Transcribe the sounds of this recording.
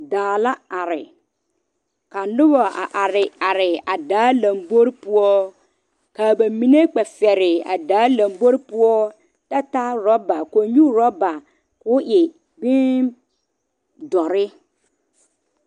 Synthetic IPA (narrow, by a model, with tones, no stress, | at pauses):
daː˨la˦a˨ɾɪ˨ | ka˨nʊ˦bɔ˨a˨ʔa˨ɾɪ˨a˨ɾɪ˨a˨daː˨˦la˨mbo˦ɾpʊ˦ɔ˦ | ka˨ba˨mi˦ne˦k͡pɛ˨fɛ˨ɾɪ˨a̰˨daː˨˦la˨mbo˦ɾpʊ˦ɔ˦ | ta˦ta˦ɾɔ˦ba˨ko˨ɲu˦ɾɔ˦ba˨ | kʊ˦ʔɪ˨ | bɪ˦ | dɔ˨ɾɪ˦